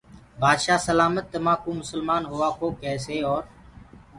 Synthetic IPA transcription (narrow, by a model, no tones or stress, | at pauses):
baːd̪ʃaːsəlaːmət̪ːəmãːkũːmʊsəlmaːnɦʊʋaːkʰoːkɛːseːɔːɾ